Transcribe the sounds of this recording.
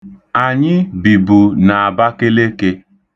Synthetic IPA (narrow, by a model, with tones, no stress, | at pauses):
a˨ɲɪ˦bi˨bu˨na˨a˨ba˦ke˦le˦ke˦